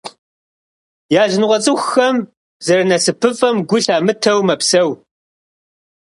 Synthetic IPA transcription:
jaːʒɪnʁʷɔt͡sʼɨxːɐm | zɐɾɐnɐsɨpʰɨfʼɐmɡʷʊɬaːmɨtʰɐwmɐpsɐw

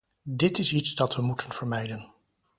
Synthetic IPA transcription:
dɪtɪsitsdɑtʋəmutʰənv̥əɹmɛjdən

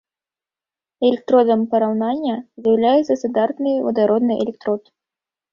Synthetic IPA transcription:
ɛlʲɛk̚t̪ɾɔd̪ɐmpɐɾawnanʲːɐzjɐwlʲajɛt̪sɐst̪ad̪art̪nɨjvɐ̰d̪aɾɔd̪nɨjʔɛ̰lʲɛkt̪ɾɔt̪

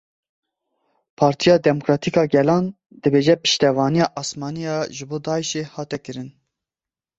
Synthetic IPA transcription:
pʰɑːɾt̪ʰijɑːd̪ɛmokɾɑːt̪ʰikɑːɡɛlɑːn | d̪ɨbeːʒɛpɨ̥ʃt̪ɛvɑːnijɑːʔɑsmɑːnijɑːʒɨboːd̪ɑːiʃeːhɑːt̪ɛkɨɾɨn

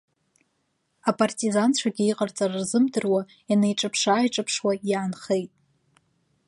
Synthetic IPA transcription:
apʼartʼizant͡ɕʷʰaɡʲɪiqʼart͡sʼararzɨmdɨrwa | janejʈ͡ʂʼɨpʰʂaːjʈ͡ʂʼɨpʰʂwajaːnχejtʼ

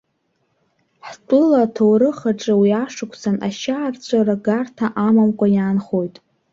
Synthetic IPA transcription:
ħtʼʊlatʰowɾɨχaʈ͡ʂʼɨwiaʂɨkʷʰʼsanʔa̰ʃaːrt͡ɕʷʰaɾaɡartʰaʔamamkʷʼajanχojtʼ

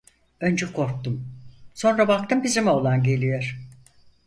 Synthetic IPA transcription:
ønd͡ʒɛkʰo̞ɾk̚t̪umso̞nɾabak̚t̪ʰɯmbizimio̞lˠanɟe̞lʲijoɾ̥

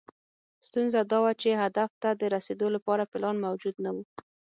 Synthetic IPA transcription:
st̪unzad̪ɑwat͡ʃeɦad̪aft̪ad̪əɾased̪olapɑɾapɪlɑnmawd͡ʒud̪nawu

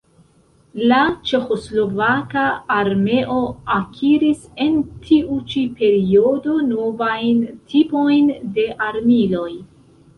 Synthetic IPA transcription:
lat͡ʃe̞xo̞slo̞vakaːɾme̞ʔo̞akʰiɾise̞ntʰiut͡ʃipe̞ɾio̞do̞no̞vajntʰipo̞jnde̞ʔaɾmilo̞j

